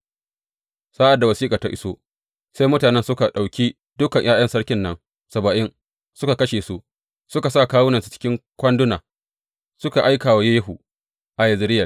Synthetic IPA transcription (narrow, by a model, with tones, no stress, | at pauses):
saː˦ʔa˨dːa˨wɐ˨siː˦kʼa˨ta˦ʔɪ˦so˦ | sa˦jmʊ˦taː˨nɛ˦nsʊ˦ka˨ɗa˨wkʲiː˦ | dʊ˦kɐ˨ɲj̰ʔaː˦jɐ˦nsɐ˦ɽkʲɪ˦nːɐ˦ŋ | sɐ˨bɐ˨ʔɪ˦n | sʊ˦ka˨kɐ˦ʃeː˨su˦ʔ | sʊ˦ka˨sa˦˨kaː˦wʊ˦na˨su̥˨t͡ʃɪ̥˦kʲɪ˦ŋkʷɐ˦ndʊ˦naː˨ | sʊ˦ka˨ʔa˦jkaː˨wa˨je˦jɐ˦ɦu˨ | ʔa˨jɐ˨zɪ˨˦ɾɪ˦jɐ˨